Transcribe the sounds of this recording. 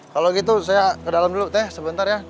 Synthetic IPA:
kaloɡit̪̬usajakədalamdulut̪ɛhsəbənt̪arja

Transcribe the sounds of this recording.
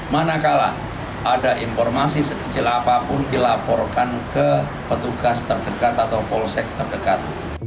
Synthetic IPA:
manakala̰ | ʔadaʔimfɔrmasisəkə̥t͡ʃɪlapapʊndilapɔrkankə | pət̪uɡast̪ərdəkat̪at̪awpɔlsɛk̚t̪ərdəkat̪

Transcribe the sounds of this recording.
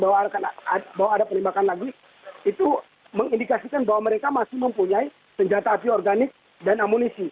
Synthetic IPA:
bawaakanbawaːdapənɛmbakanlaɡi | it̪u | məŋindikasikanbaɦwaməɾekamasɪhməmpuɲai | səɲd͡ʒat̪aːp̪iɔrɡanɪk̚ | danamunisi

